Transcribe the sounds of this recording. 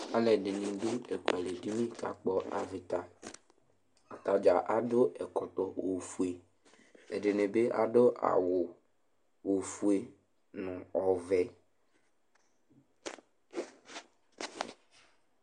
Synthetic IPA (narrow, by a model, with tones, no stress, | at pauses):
a˦lɛ˨ɖɪ˨nĩ˨do˦ɛ˨ku˨a˨le˨di˦mĩ˦ka̰˨k͡pɔ˦a˨vi˨t̪a˨ | a˨t̪a˨d͡ʒa˨ʔa˨do˦ʔɛ˨kɔ˨t̪ɔ˦wo˨fu˦e˨ | ɛ˨ɖe˨nẽ˨be˦ʔa̰˨ɖo˦ʔa̰˨wʊ˨ | wo˨fu˦e˨ | nũ˨ɔ˨vɛ˦